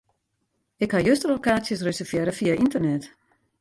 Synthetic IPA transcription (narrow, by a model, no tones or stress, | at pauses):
ɪkhajøstəlokaːsjəsrøsəfjɛɾəfiaintərnɛt